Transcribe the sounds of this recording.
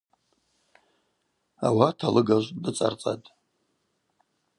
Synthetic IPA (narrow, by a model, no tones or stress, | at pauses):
a̰watʰalɨɡaʒʷdɨt͡sʼa̰rt͡sʼa̰tʼ